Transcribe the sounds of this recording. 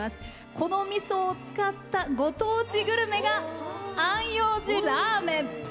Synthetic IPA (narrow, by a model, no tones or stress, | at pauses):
masɨ̥ | ko̞no̞mʲisoːt͡sɨ̥kat̪ːaɡo̞t̪oːt͡ɕiɡɯ̟ɾɯ̟me̞ɡaãɰ̃joːʑiɾaːmẽ̞